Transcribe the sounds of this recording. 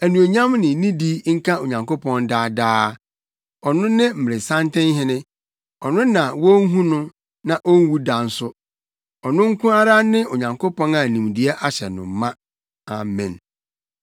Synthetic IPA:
æ˨nũ˨o˨ɲã˦mnɪ̃˨nĩ˦di˦ŋ̩˦kʰã˦o˨ɲã˨ŋko˦pʰɔ̃˦nda˦daː˦ | ɔ˨nʊ̃˦nɪ̃˦m̩˨mɪ˨ɾɪ˨sã˦ntɪ̃˦n˦ɦɪ̃˦nɪ̃˦ | ɔ˨nʊ̃˦nã˨wɔ˦n̩˦ɦũ˦nʊ̃˦ | nã˨ʔɔ˦n˦wu˦da˨n̩˦sʊ˦ | ɔ˨nʊ̃˦ŋ̩˦kʰʊ̃˦a˦ɾa˦nɪ̃˦o˨ɲã˨ŋkʰo˦pʰɔ̃˦na˨nĩ˨mdi˨ɛ˦ʔa˦ɕɛ˨nʊ̰̃˨m˨˦mã˦ | a̰˨mɛ̰̃˨n

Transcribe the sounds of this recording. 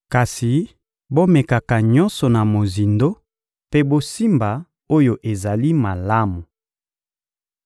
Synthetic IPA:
ka˨si˨ | bo˦mɛ˨ka˨ka˨ɲɔ˦nsɔ˨na˨mo˨zi˨ndo˦ | pe˦bo˦si˦mba˨ | o˦jo˨ʔe˨za˨li˦ma˨la˦mu˨

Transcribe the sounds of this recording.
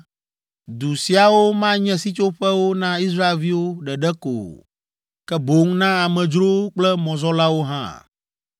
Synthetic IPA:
d̪u˨si˨a˨wo˦mã˦ɲɛ̃˦si˦t͡ʃo˦ɸɛ˦wo˦nã˦i˦s̬ɾa˦e˨lvi˦wo˦ɖɛ˨ɖɛ˦ko̰˨ | kɛ˦bo˦ŋnã˦a˨mɛ̃˨d͡ʒɾo˦k͡plɛ˦mɔ̃˨zɔ˦la˦wo˦ɦã̰˦˨

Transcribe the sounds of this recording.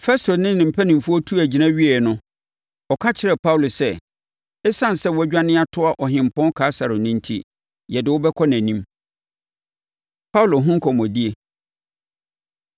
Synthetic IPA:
fɛ˦stʰo˨nɪ̃˦nɪ̃˨m̩˨pʰæ˦nĩ˨m˨fu˦ɔ˦tʰu˦æ˨d͡ʑi˨nã˦ɥi˦ɛ˨nʊ̃˦ | ɔ˨kʰa˦t͡ɕʰɪ˦ɾɛ˨pʰa˦wlo˨sɛ˦ | ɛ˦sã˦˨n˨sɛ˦wɔ˦æ˦d͡ʑᶣa˦nɪ̃˦a˦tʰʊ˦a˨ʔɔ˨ɦɪ̃˨m̩˨pʰɔ̃˦nkʰaː˨˦sa˨ɾʊ˨nĩ˦n˦tʰḭ˦ | jɛ˨dɪ˨wʊ˦bɛ˦kʰɔ˦næ̃˨nĩ˦m | pʰa˦wlo˨ɦʊ̃˦ŋ̩˦kʰɔ˨mɔ̃˨di˦e˨

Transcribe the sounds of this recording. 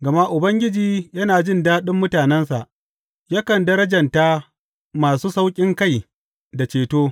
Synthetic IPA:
ɡɐ˨ma˦ʔʊ˨bɐ˦ŋɡʲɪ˦d͡ʒiː˦jɐ˦naː˨d͡ʒɪ˦ndaː˦ɗɪ˦mːʊ˦taː˨nɛ˦nsa˨ʔ | jɐ˦kɐ˨ndɐ˦ɾɐ˦d͡ʒɐ˨nta˦ | maː˨suː˦sa˦wkʲʼɪ˦ŋka˦˨j | da˨t͡ʃeː˨toː˦

